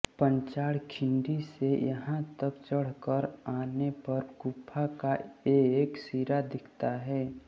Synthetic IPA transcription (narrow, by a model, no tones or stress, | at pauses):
pə̃ɲt͡ʃaːɽkʰɪ̃ɳɖisejəɦãt̪əbt͡ʃəɽ̤kəɾaːnepɐɾkʊpʰːakaeːksiːɾad̪ɪkʰt̪aɦɛː